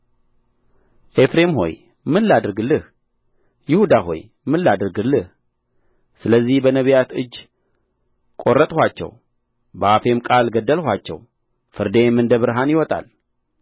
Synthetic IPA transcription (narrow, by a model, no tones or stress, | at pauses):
ʔe̞fɾe̞mɦo̞̰j | mɨlːad̪ɨɾɡɨlɨh | jɪhud̪aɦo̞̰j | mɨlːad̪ɨɾɡɨlːɨh | sɨləzːihbənəβijat̪ɨd͡ʒː | kʼo̞rːət̪ʼhʷat͡ʃːɛ̰w | bəafe̞mkʼalɡəd̪ːəlhʷat͡ʃːɛ̰w | fɨɾd̪e̞mɨnd̪əβɨɾɦanjɪwɔt̪ʼa̰l